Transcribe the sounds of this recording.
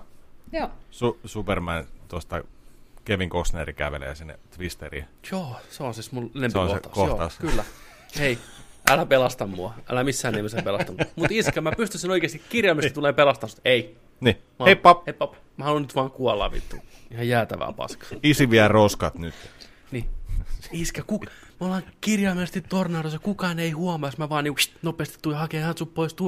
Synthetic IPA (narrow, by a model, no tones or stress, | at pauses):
oːsusupermænt̪uost̪ɑkeʋiŋkosneɾikæʋḛlḛːsinːḛt̪ʋist̪erḭjoːseonsismulenempseionsoḛt̪ɑ̰kojot̪ːɑuskylːæ | eiʔælæpelɑst̪ɑmːuɑʔæ̰læmisːæːnemːsepelɑst̪ɑnumut̪iskemæpyst̪ysinoikeːst̪ikkirjɑlmist̪t̪uleːpelɑst̪ɑst̪ei | nimɑhepɑpheipːɑp | mæhɑnonyt̪ʋɑːŋkuɑlːɑ̰ːʋḭt̪ːṵihɑjjæːt̪æ̰ʋæ̰ːpɑ̰skɑ̥isiʋiælroskɑt̪nyt̪ | ni | iskækuk | mæolɑŋkirjɑːmest̪itt̪ornɑːrosɑkukɑːneihuɑmɑsmæʋɑːniːŋkuʃt̪nopeːst̪i̥t̪uhɑkehænt̪suppoist̪u